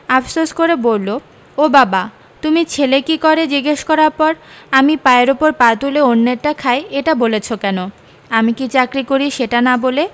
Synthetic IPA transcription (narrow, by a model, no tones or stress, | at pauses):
afʰsoʃkoɾebolːo | obaba | t̪umit͡ɕʰelekikɔɾed͡ʑiɡeʃkɔɾaɾpɔɾamipaeɾopoɾpat̪uleonːeɾʈakʰaeeʈabolet͡ɕʰokɛno | amikit͡ɕakɾikoɾiʃeʈanabole